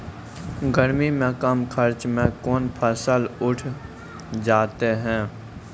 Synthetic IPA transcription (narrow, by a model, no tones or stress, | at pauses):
ɡəɾmimẽkəmkʰəɾt͡ʃmẽkɔːnpʰəsəlʊʈʰ | d͡ʒaːt̪eɦɛ̃ː